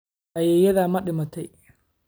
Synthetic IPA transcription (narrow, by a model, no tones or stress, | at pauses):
ʔɐjɛjɐðaːmɐɗɪmɐt̪ʰɛj